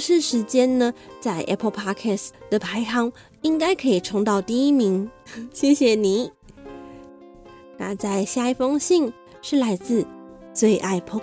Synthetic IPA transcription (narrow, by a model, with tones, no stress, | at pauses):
ʂɻ̩˥˩ʂɻ̩˧˥t͡ɕjɛ˥nnə˨t͡sa˥˧ɪʔɛ̰˥pʰə˥˧pʰa˥kʰɛ˥˩sd̪̥ə˩pʰa˧˥ɪt̪ʰɑ˧˥ŋ | i˥ŋka˥ɪkʰɤ˧˥i˨˩ʈ͡ʂʰʊ˧˥ŋt̪ɑ˥˧ʊt̪i˥˧i˥mi˧˥ŋɕjɛ˥˩ɕjɛ˨˩ni˧˩˥ | na̰˥˧t͡sa˥˩ɪɕja˥i˧˩fɤ˥ŋɕi˥˧ŋ | ʂɻ̩˥˩la˧˥ɪt͡sɹ̩˥˧t͡swe˥˧ɪʔa˥˩ɪpʰo˥